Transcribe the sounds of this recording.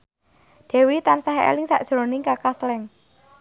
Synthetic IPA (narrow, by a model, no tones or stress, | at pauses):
d̪̥ɛ̤wit̪ansaɦḛlɪŋsaʔd̥ʒ̥ɾonɪŋkakaslɛŋ